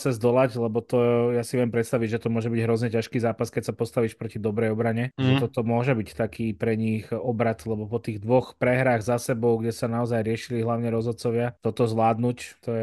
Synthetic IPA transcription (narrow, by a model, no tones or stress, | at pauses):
sɛzd̪ɔlaclɛbɔt̪ɔjasiʋɪɛmpɾɛt̪st̪aʋiɟʒɛt̪ɔmʊɔʒɛbiɟɦɾɔzɲɛcaʃkiːzaːpaskɛcsapɔst̪aʋiːʃpɾɔcid̪ɔbɾɛjɔbɾaɲɛʒɛt̪ɔt̪ɔmʊɔʒɛbict̪akiːpɾɛɲixɔbɾat̪lɛbɔpɔt̪iːɣd̪ʋɔxpɾɛɦɾaːɣzasɛbɔʊɡɟɛsanaɔzajɾɪɛʃiliɦlaʊɲɛɾɔzɔt̪̚t͡sɔʋɪat̪ɔt̪ɔzʋlaːd̪nuct̪ɔɛ